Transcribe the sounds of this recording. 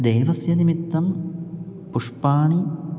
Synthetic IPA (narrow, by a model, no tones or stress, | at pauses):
d̪eːʋɐsjɐnimit̪ːɐm | puʂpaːɳi